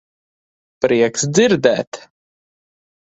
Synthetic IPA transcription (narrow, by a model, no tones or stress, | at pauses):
pɾiɛksd̪ziɾd̪ɛːt̪